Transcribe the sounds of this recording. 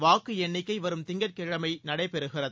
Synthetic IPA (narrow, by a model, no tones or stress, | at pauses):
ʋaːkːɯɛɳːɪkːɐɪʋɐɾɯmt̪ɪŋɡɐɾkɛɻɐmɐɪnɐɽɐɪpɛɾɯɣɪrɐð